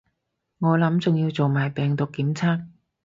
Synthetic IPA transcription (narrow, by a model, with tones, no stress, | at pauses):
ŋɔː˨˧lɐ˨˥mt͡sʊ˨ŋjiː˧wt͡so˨wmaː˨jpɛː˨ŋt̪ʊ˨kːiː˨˥mt͡sʰaː˥k̚